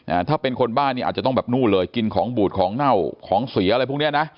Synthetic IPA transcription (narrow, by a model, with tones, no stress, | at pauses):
ʔa˧˩t̪ʰaː˥˩pe˧nkʰo˧nbaː˥˩nːi˥˩a̰ː˨˩t͡ɕ̪ɔ˥˩bɛː˨˩p̚nuː˥˩lɤː˧jki˧nkʰɔː˩˦ŋbuː˨˩t̪̚kʰɔː˩˦ŋna˥˩wkʰɔː˩˦ŋswi˩˦a˧ɾa˧jpʰu˥˩ni˦˥ɐ˨na˦˥